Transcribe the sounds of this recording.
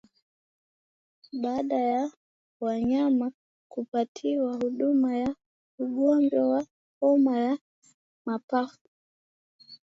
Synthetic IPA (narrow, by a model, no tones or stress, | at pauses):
ɓaːɗaja | waɲama | kupatʰiwahuɗumaja | uɡɔnd͡ʒɔwa | hɔmaja | mapafu